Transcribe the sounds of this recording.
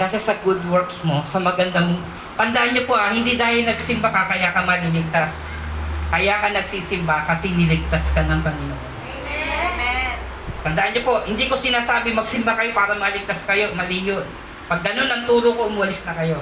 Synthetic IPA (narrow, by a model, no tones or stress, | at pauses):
kaːsɛsɐɡʊd̪wɛɹksmo̞sɐmɐɡɐnd̪ɐmoŋ | t̪ɐnd̪ɐʔanɲopoʔɐhɪnd̪id̪aːhɪlnɐɡsɪmbakɐkɐjakɐmɐlilɪɡ̚t̪as | kɐjaːkɐnɐɡsiːsɪmbakɐsɪnɪlɪɡ̚t̪askɐnɐŋpɐŋɪnoʔon | t̪ɐnd̪ɐʔanɲopo̞ʔhɪnd̪iko̞sɪnaːsaːbɪmɐɡ̚sɪmbakɐjo̞paːɾɐmɐlɪɡ̚t̪askɐjo̞mɐliɲon | pɐɡ̚ːɐno̞nːɐŋt̪uːɾokoʔʊmʊːɐlɪsnɐkɐjo̞